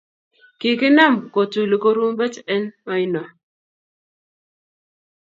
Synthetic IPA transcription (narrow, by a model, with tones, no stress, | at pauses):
ki˨kɪ˦na˦˨mko˨tu˨li˨ko˦ɾu˦m˦bɛ˦tɛ˦nmɔ˦ɪ˦nɔ˨